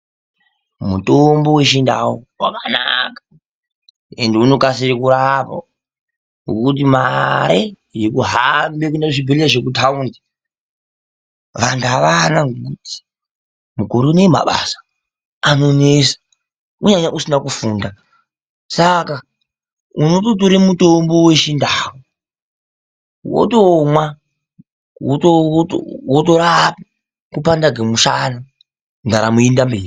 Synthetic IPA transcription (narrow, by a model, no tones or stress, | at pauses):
mutombo̞we̞ʃinda̰wuwa̰kana̰kḁ | e̞̰ndeuno̞kasiɾikuɾapa̰ | ŋɡo̰kut̬imaɾe | jekuɦambek̬unaʐibʱeliaʐek̬utʰaunda | ʋantuaʋanaŋɡek̬uti̥ | mukuɾunema̰ɓa̰sḁ | ano̞nesḁ | uɲaɲaʔusinakufuːnda | saka | unotot̬oɾimutombo̞we̞t͡ʃindaːwo | wo̰tomwa | woto̰ | wot̬o̞ɾaɦapa | kupandaɡʱemuʃana | ndaɾamuindambeːri